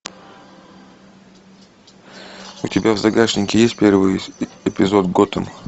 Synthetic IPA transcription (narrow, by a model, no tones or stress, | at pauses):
ʊtʲɪbʲavzɐɡaʂnʲɪkʲɪjesʲt̚ʲpʲe̞rvɨjɪpʲɪzo̞t̪ɡot̪əm